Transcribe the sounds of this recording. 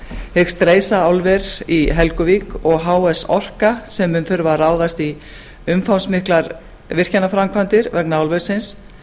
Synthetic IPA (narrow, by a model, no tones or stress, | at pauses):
hɪkst̪ɾeːjsaawlvɛɾiɦɛlkʏvikɔɣɦaːwɛsɔr̥kasɛmːʏnθʏɾvaraːwðast̪i | ʏmfawnsmɪhklaɾ | vɪr̥canːafɾamkʰant̪ɪɾvɛknaawlvɛɾ̥sɪns